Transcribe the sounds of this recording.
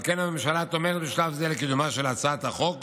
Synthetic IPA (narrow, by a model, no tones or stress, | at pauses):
lkenamemʃalat̪o̞meʁet̪beʃlavzelekid̪umaʃelat͡sat̪aχo̞k